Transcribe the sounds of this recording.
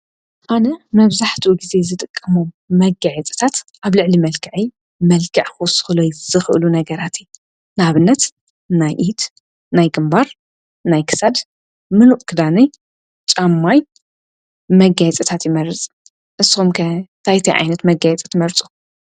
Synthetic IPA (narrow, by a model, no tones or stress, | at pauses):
ʔanɐmɐβzaħt̪ʰiuɡize̞zɨt̪ʼɨkʼːɐmomːɐɡajɛt͡sʼɨ̥t̪ʰat̪ʔaβlɨʕlimɐlkʰɐʕi | mɐlkʰɐʕxusɨ̥xɨlojzɨxʔɨlunɐɡɐɾat̪ʰi | naβɨnːɐt̪ | najʔit̪ | najɡɨmbaɾ | najkʰɨ̥sad̪ | mɨnuʔkʰɨd̪anɐj | t͡ʃʼamːaj | mɐɡajɛt͡sʼɐt̪ʰat̪jɪmɐɾɨt͡sʼ | ʔɨsɨxumkʰɐt̪ʰajt̪ʰɐjʕa̰jnɐt̪mɐɡajɛt͡sʼɐ̥t̪ʰmɐɾt͡sʼu̥